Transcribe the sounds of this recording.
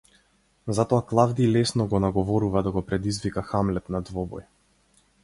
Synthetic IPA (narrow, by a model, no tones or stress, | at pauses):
zat̪ɔaklˠavd̪iːlɛsnɔɡɔnaɡɔvɔɾuvad̪aɡɔpɾɛd̪izvikaxamlɛt̪nad̪vɔbɔ̰j